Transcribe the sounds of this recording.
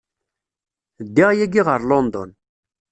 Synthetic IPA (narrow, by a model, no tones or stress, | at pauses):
d̪ːiʁjæɡiʁəɾlɔnd̪ɔ̰n